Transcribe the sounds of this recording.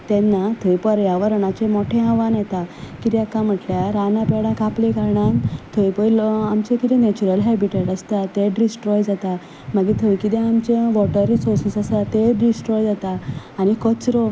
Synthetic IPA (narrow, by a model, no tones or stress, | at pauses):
t̪ɛ̃nːat̪ʰəjpɔɾjaʋəɾənat͡ɕemɔʈʰẽãʋãnjɛt̪akit̪jakãm̤əʈljaɾanãpɛɽãkaplekaɾɳant̪ʰəjpɔlamt͡ɕẽkit̪ĩnɛt͡ɕuɾəlɦɛbiʈeʈəst̪at̪eɖɾisʈɾɔjd͡zat̪a | məɡit̪ʰəʋikit̪ɛ̃amt͡ɕeʋɔʈəɾisɔɾsisasat̪eɖisʈɾɔjd͡zat̪aː | nikɔt͡sɾɔ